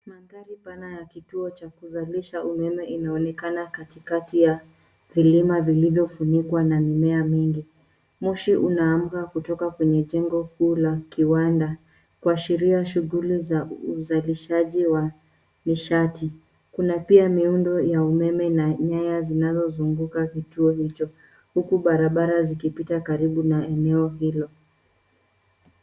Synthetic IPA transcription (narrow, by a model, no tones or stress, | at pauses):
manɡaɾipanajakituɔt͡ʃakuzaliʃaumɛmɛinaɔnɛkanakatikatija | vilimavilivjɔfunikwanamimɛamiŋɡi | muʃiʔunaːm̩kakutɔkakwɛɲɛʄɛŋɡɔhuːlakiwanda | kuaʃiɾiaʃuɣulizauzaliʃaʄiwa | niʃati | kunapiamiundɔjaumɛmɛnaɲajazinazɔzuŋɡukakituɔhit͡ʃɔ | hukuɓaɾaɓaɾazikipitakaɾiɓunaɛnɛɔɦilɔ